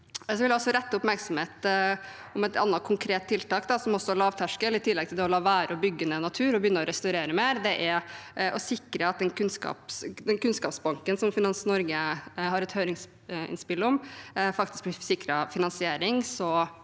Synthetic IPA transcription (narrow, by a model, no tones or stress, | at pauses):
sɔʋɪljæɔsːɔɾɛt̪ːəʊpmæɾksɔmheːt̪ | ʊmɛt̪ɑ̰nːɑt̪̚kʰʊŋkʰɾeːt̪ʰːɪlt̪ɑːkd̪ɑsɔmɔsːɔlɑːʋt̪ʰæʂkəlɪt̪ʰɪlːɛɡt̪ʰɪld̪ɛɔlɑːʋæːɾəɔbʏɡːənənɑt̪ʰʉːɾɔbəjʏnːəɔɾɛst̪ɑɾeːɾəmeːɾd̪ɛʔæʔɔsɪkɾəɑt̪̚d̪ɛnkʰʉnskɑ̰ːpsd̪ɛnkʉnskɑːpsbɑŋkənsɔmfɪnɑnsnɔɾɡəhɑɾɛt̪høːɾɪŋs | ɪ̰nspɪlːɔmfɑkt̪ɪsk̚b̪ɪsɪkɾəfɪnɑnsɪeːɾɪŋsɔ